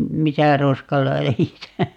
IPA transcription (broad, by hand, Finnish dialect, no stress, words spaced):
misæ roskɑlæjisæ